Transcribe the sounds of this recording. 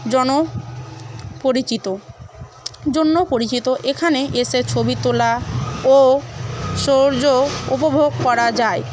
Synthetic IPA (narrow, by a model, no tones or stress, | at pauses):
d͡ʑɔno | poɾit͡ɕit̪o | d͡ʑonːopoɾit͡ɕit̪oʔekʰaneʔeʃet͡ɕʰobit̪olao | ʃoɾd͡ʑoupobʱoɡ̚kɔɾad͡ʑae